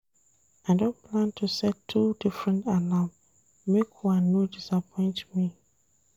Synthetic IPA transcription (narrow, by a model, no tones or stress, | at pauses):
aɪdõnpʰlãntʰusɛtʰːudifɹɛ̃ntalãm | mekwãnːodisapʰɔ̃ɪ̃ntmi